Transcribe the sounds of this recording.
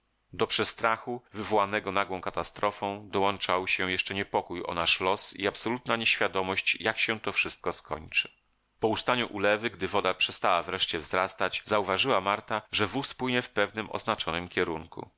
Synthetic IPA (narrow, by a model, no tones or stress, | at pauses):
d̪ɔpʂɛst̪ɾaxuvɘvɔwanɛɡɔnaɡwɔ̃w̃kat̪ast̪ɾɔfɔ̃w̃d̪ɔwɔnt͡ʂawɕɛ̃jɛʂt͡ʂɛɲɛpɔkujɔ̰naʂlɔsḭapsɔlut̪naɲeɕfʲjad̪ɔmɔɕt͡ɕjakɕɛt̪ɔfʂɘst̪̚kɔskʰɔ̰ɲt͡ʂɘ̥ | pɔust̪aɲuʔulɛvɘɡd̪ɘvɔd̪apʂɛst̪awavɾɛʂt͡ɕɛvzɾast̪ad͡ʑzauvaʐɘwamaɾt̪aʐɛvuspwɘɲɛfpɛvnɘmɔ̰znat͡ʂɔnɘmkʲɛɾuŋkṵ